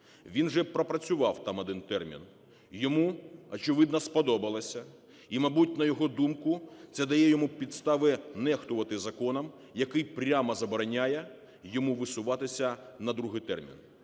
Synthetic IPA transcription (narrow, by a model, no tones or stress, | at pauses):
ʋʲinʒɛpɾɔpɾɐt͡sʲʊʋɑwt̪ɑmɔd̪ɪnt̪ɛrmʲḭn | jɔmuɔt͡ʃɪʋɪd̪nɐspɔd̪ɔbɐlˠɐsʲɐ | imɐbutʲnɐjɔɦɔd̪umkʊt̪sɛd̪ɐjɛjɔmupʲid̪st̪ɑʋɪnɛxt̪ʊʋɐt̪ɪzɐkɔnɐm | jɐkɪjpɾʲamɐzɐbɔɾɐnʲajɛ | jɔmuʋɪsʊʋɑt̪ɪsʲɐnɐd̪ɾuɦɪjt̪ɛ̰rmʲḭn